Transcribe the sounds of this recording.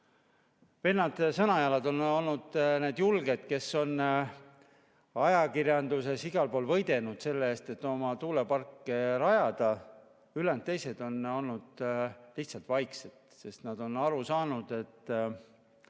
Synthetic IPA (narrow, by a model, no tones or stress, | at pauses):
ve̞ːlnɑd̪̥sɤnɑjɑlɑd̪o̞no̞lnud̪̥neːd̪̥julɡe̞d̪̥ke̞sːo̞n | ɑjɑkirjɑnd̪use̞siɡ̥ɑlpo̞ːlvɤjd̪̥e̞nud̪̥se̞lːeeːst̪e̞t̪ːo̞mɑt̪uːle̞pɑrkːˑeɾɑjɑd̪̥ɑ | ylent̪ːe̞jse̞d̪̥o̞no̞lnud̪̥liçht̪sɑlt̪vɑjkse̞d̪̥se̞st̪nɑd̪̥o̞nɑɾusɑːnud̪̥e̞t̪ː